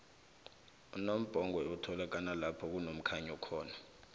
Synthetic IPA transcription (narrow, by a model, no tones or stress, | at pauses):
unom̩b̥ʱɔŋwɛutʰɔlak̬analapʰɔk̬unom̩kʰaɲɔkʰɔːna